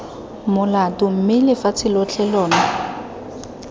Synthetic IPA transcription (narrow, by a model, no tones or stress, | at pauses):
mʊlatʊm̩mɪlɪfat͡sʰɪlɔt͡ɬʰɛlɔːnɔ